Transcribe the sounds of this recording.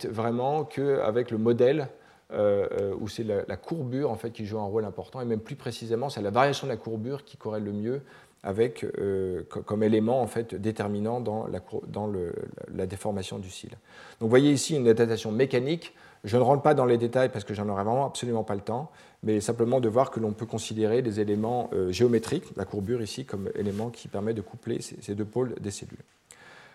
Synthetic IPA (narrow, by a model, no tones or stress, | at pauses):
vʁɛmɑ̃kʰəa̰vɛkləmɔd̪ɛl | øøṵsɛlalʔa̰kʰuʁbyʁɑ̃fɛt̪̚kʲiʒuɛ̃ʁolɛ̃pɔʁt̪ɑ̃emɛmplypχesizemɑ̃sɛlavaʁjasjɔ̃d̪əlakuʁbyʁkʲi̥kɔʁɛlːəmjø | a̰vɛkøkɔmelemɑ̃ɑ̃fɛt̪d̪et̪ɛʁminɑ̃d̪ɑ̃lʔa̰kud̪ɑ̃lə̰lad̪efɔʁmasjɔ̰̃d̪ysḭl | d̪̥ɔ̃kvwajeisiynad̪ap̚t̪asjɔ̃mekanik | ʒənəʁɑ̃t̪pad̪ɑ̃led̪et̪ajpasə̥kəʒɑ̃nɔʁɛvʁɛmɑ̃apsɔlymɑ̃palət̪ɑ̃ | mɛsɛ̃pləmɑ̃d̪əvwaʁkəlɔ̃pøkɔ̃sid̪eʁelezelemɑ̃øʒeɔmet̪χiklʔakuʁbyʁisikɔmḛlemɑ̃kʲʰi̥pɛʁmɛt̚d̪əkuplḛsḛsed̪øpold̪esḛly̰l